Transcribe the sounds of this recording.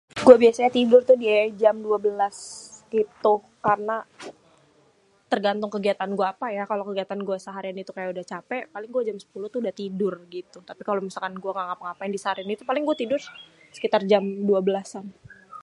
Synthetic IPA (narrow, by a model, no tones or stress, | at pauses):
ɡuabiasaɲat̪idʊrt̪ʊdiaad͡ʒamduabəlasɡit̪u | karəna | t̪ərɡant̪ʊŋkəɡiat̪anɡuaːpajakalokəɡiat̪anɡuasaɦaɾianit̪ukajaʔudaht͡ʃapɛʔpalɪŋɡuad͡ʒamsə̥puluht̪uudaht̪idʊrɡit̪ut̪apikalomisalkanɡuaŋaŋapəŋapajandisahaɾianit̪upalɪŋɡuat̪idʊr | sə̥kit̪ard͡ʒamduabəlasan